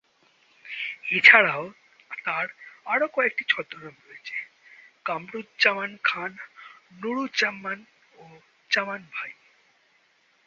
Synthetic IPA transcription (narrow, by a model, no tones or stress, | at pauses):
it͡ɕʰaɽao | t̪aɾaɽokɔek̚ʈit͡ɕʰɔd̪ɾonamɾojet͡ɕʰe̥ | kamɾut̪d͡ʑamankʰanː | uɽut͡ɕamːan | o | t͡ɕamanbʱaj